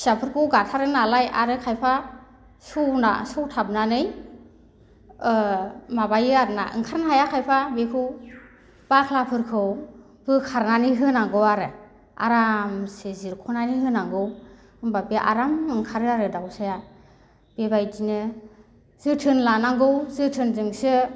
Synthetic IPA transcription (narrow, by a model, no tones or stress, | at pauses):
sapʰɯɾkʰɯwɡatʰaɾɯnalajaɾɯkʰajpʰa | suwna̰sɔwtʰab̚nanɯj | mabajɯaɾnaʔɯ̰ŋkʰaɾnaɦajakʰajpʰabekʰɯw | b̥akʰlapʰɯɾkʰɯw | bɯkʰaɾnaniɦɯnaŋɡɯwaɾɯ | a̰ɾamsɯziɾkʰɔnaniɦɯnaŋɡɯw | ɯŋbapeʔa̰ɾamɯŋkʰaɾɯaɾɯdawsaja | b̥ebajtinɯ | z̥ɯtʰɯnlanaŋɡɯwzɯtʰɯnzɯŋsɯ